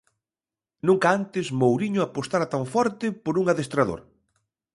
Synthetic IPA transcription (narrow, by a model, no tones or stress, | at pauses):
nũŋkaant̪ɪsmowɾiɲʊapost̪aɾat̪aɱfɔɾt̪ɪpoɾuŋaðest̪ɾaðo̰ɾ